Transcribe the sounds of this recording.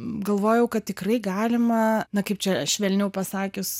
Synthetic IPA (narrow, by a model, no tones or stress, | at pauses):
ɡɐlˠʋoːjɛʊkɐt̪̚tʲɪkrɐɪɡɑːlʲɪmɐnɐkɐɪp̚t͡ʃʲɛʃʲʋʲɛlʲnʲɛʊpɐsɑːkʲʊs